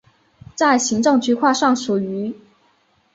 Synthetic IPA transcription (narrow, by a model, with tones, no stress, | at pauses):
t͡sa˥˩ɪɕi˧˥ŋʈ͡ʂɤ˥˧ŋt͡ɕʰy˥kʰwa˥˧ʂɑ˥˩ŋʂu˨˩y˧˥